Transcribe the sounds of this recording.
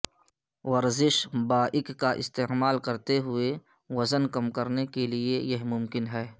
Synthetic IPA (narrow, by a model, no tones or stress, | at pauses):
ʋɐɾzɪʃbaːʔɪkkaʔɪ̰st̪eːmaːlkɐɾt̪eɦʊe | wɐzənkɐmkɐɾnekeliejɐɦmʊmkɪnɦɛː